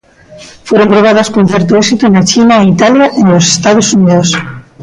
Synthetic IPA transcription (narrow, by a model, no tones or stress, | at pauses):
fweɾompɾoβ̞að̞askoũnθeɾt̪̬oeksit̪unat͡ʃinaeit̪aljaʔenlose̥st̪að̞osuniðos